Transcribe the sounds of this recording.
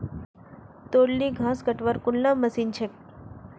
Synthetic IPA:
t̪oɽliɡʱãskəʈʋəɾkuɳlãməsiːnt͡ɕʰek̚

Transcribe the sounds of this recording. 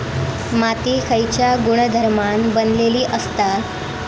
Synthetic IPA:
mat̪iːkʰəjt͡ɕjaɡuɽ̃d̪ʱəɾmanbənleliːʔəst̪a

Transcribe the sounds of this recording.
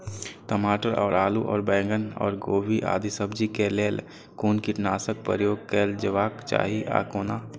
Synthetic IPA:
t̪əmaːʈəɾɔːɾaːluʔɔ̰ːɾbɛ̃ːŋɡənɔ̰ːɾɡoːbiʔa̰ːd̪ʱisəbd͡ʒikeleːl | koːnkɪʈnaːsək̚pə̰ɾjoːɡ̚keːld͡ʒəʋaːkt͡ʃa̰ːɦiʔa̰ːkoːna

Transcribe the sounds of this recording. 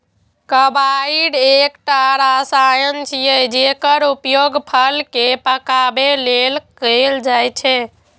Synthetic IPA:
kəbaiɖekʈaɾasajənt͡ʃʰijəd͡ʒekəɾupjoɡpʰəlkepəkabelelkəld͡ʒajt͡ʃʰɛ

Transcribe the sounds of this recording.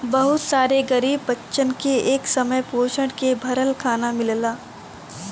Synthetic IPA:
bɐɦʊt̪saːɾeɡɐɾiːbːɐtːʃənkeeːksɐməjpoːʃəɽkebʱɐɾəlkʰaːnamɪllaː

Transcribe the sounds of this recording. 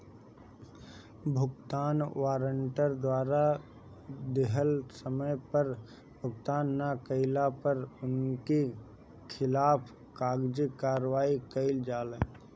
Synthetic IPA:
bʱʊkt̪aːnʋaːɾəɳʈəɾd̪waːɾa | d̪ɪɦəlsəməjpəɾ | bʱʊkt̪aːnːakəɪlapəɾʊnki | kʰɪlaːpʰ | kaːɡd͡ʒikaːɾwaːikəɪld͡ʒaːleː

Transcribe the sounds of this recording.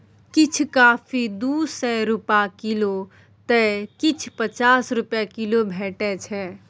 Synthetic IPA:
kit͡ʃʰkaːfʰid̪usɛɾupakilo | t̪ɛkit͡ʃʰpət͡ʃaːsɾʊpjakilobʱeːʈɛt͡ʃʰɛ

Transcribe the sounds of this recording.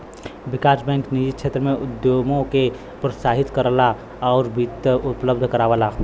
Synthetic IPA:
bɪkaːɾsbɛ̃ːŋknid͡ʒit̪̚t͡ʃʰeːt̪ɾəmẽʊd̪jomõke | pɾəsaːɦɪt̪kəɾla | ɔːɾbit̪əʊpləbd̪ʱkəɾaːʋəla

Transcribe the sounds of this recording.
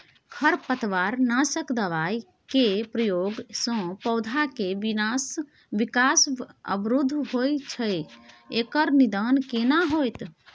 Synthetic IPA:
kʰəɾpət̪ʋaɾnasəkd̪əʋaj | kepɾəjoɡsə̃pəʊd̪ʱakeʋinas | bikasə̰bɾud̪ʱːɦojt͡ʃʰəj | ekəɾnid̪ankenaɦojt̪

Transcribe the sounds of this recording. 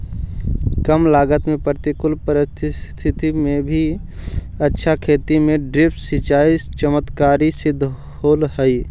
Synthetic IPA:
kəmlaːɡət̪mẽpɾt̪ikʊlpəɾɪst̪ʰst̪ʰɪt̪imẽbʱi | ətːʃʰakʰeːt̪imẽɖɾɪpʈsɪt͡ʃaːist͡ʃəmət̪kaːɾisɪd̪ʱː | ɦoːlhɛi

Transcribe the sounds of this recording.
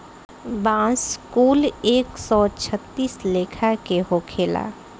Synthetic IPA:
bãːskuːleːksɔt͡ʃʰət̪ːiːsleːkʰakeɦokʰeːla̰ː

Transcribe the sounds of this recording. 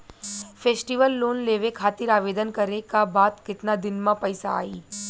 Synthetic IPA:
fʰeːsʈiʋəlːoːnleːʋekʰaːt̪ɪɾaːʋeːd̪ənkɐɾekabaːt̪kɪt̪nad̪ɪnmãpɐɪsa̰a̰ːiː

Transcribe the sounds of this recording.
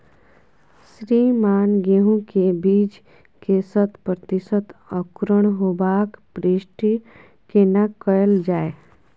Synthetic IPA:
sɾimaːnɡeɦũkebiːd͡ʒ | kesət̪pɾət̪isət̪əkɾəɽ̃ɦobaːkpɾiʃʈi | kenakəəld͡ʒaːe

